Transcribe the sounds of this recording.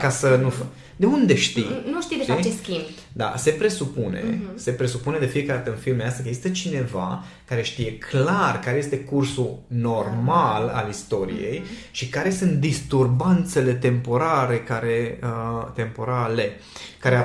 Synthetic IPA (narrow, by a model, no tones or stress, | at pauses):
kasənuf | d̪e̞und̪e̞ʃt̪inuʃt̪id̪eʃit͡ʃeskʲim | d̪a̰se̞pɾe̞supune̞̰se̞pɾe̞supune̞d̪e̞fijekaɾad̪at̪əɨnfilmejast̪akəeɡzist̪ət͡ʃine̞va̰ | kaɾe̞ʃt̪ije̞kʰlarkaɾeje̞st̪e̞kursuno̞rmala̰list̪o̞ɾḭje̞̰j | ʃikaɾe̞sunt̪̚d̪ist̪urbant̪se̞le̞t̪e̞mpo̞ɾaɾe̞kaɾe̞ət̪e̞mpo̞ɾale̞ | kaɾe